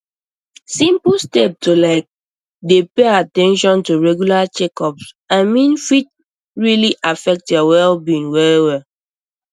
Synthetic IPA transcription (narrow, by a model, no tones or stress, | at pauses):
sĩmplstɛp̚tolaɪk̚ | depeatɛ̃nʃɔ̃ntuɹɛɡjulat͡ʃɛkɔps | aɪmĩnfit̚ | ɹiliʔafɛk̚tjɔwɛlbĩnwɛɹwɛ